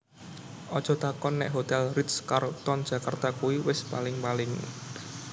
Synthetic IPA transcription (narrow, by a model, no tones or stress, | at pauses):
ʔɔd̥ʒ̥ɔ̤t̪akɔnːɛ̰ʔɦot̪ɛlrit̪skaɾot̪ɔnd̥ʒ̥ä̤kart̪akuwiwɪspalɪŋpalɪŋ